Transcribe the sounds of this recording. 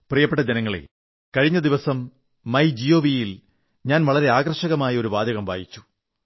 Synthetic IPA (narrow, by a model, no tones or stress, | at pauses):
prijɐpːeʈːɐd͡ʑenɐŋːɐɭḛ | kɐɻiɲːɐd̪iʋɐsɐmː | ɐjd͡ʑijo̞ːʋijil | ɲaːnʋɐɭɐɾe̞aːɡɐrʂɐɣɐmaːjɐo̞ɾuʋaːd̪ɐɣɐmʋaːjit͡ɕːu̥